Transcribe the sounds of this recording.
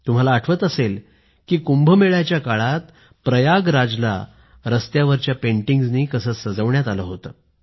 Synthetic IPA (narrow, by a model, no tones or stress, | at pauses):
t̪um̤alaːʈʰʋət̪əsel | kiːkumbʱəmeɭat͡ɕjakaɭat̪ | pɾəjaɡɾad͡zla̰ | ɾəst̪jaʋəɾt͡ɕjapeɳʈiŋɡd͡zniːkəsəːsəd͡zəʋɳjat̪alə̰ɦot̪əː